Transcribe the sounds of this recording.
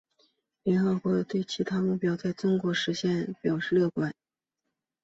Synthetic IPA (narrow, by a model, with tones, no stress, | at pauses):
ljɛ˧˥nxɤ˧˥kwɔ˧˥t̪we˥˩ɪt͡ɕʰi˧˥t̪ʰa˥mu˥˩pjɑ˥ʊt͡sa˥˩ɪt͡sʊ˥ŋkwɔ˧˥ʂɻ̩˧˥ɕjɛ˥˩npjɑ˨˩ʊʂɻ̩˥˧lɤ˥˩kwa˨˩˦n